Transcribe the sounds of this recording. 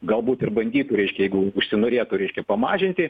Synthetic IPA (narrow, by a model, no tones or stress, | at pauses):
ɡɐlˠbuːt̪ɪrbɐnʲd̪ʲiːt̪ʊɾʲɛɪʃʲkʲɛjɛɪɡʊʊʃʲsʲɪnoːɾʲeːt̪ʊɾʲɛɪʃʲkʲɛpɐmɑːʒʲɪnʲt̪ʲɪ